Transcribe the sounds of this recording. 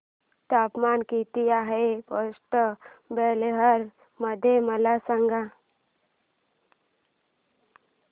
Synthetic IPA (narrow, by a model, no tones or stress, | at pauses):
t̪aːpmaːnkit̪ijaɦepəsʈəbeːleɦəɾ | məd̪ʱeməlasəŋɡa